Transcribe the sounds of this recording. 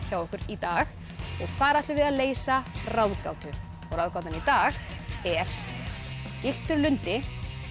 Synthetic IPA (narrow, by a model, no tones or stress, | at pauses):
çawɔhkʏɾit̪aːɣ | ɔɣθaɾaht̪lʏvɪðaðleːjsarawðkawt̪ʏ | ɔɣɾrawðkawt̪anit̪aːɣɛɾ̥ | cɪl̥t̪ʏɾlʏnt̪ɪ